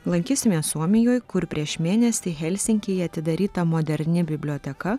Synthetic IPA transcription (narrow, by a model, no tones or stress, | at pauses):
lˠɐŋʲkʲiːsʲɪmʲeːsuɔmʲɪjoːjkʊɾpʲɾʲiɛʃmʲeːnʲɛsʲɪxʲɛlʲsʲɪŋʲkʲejɐt̪ʲɪd̪ɐɾʲiːt̪ɐmoːd̪ʲɛɾʲnʲɪbʲɪbʲlʲoːt̪ʲɛkɐ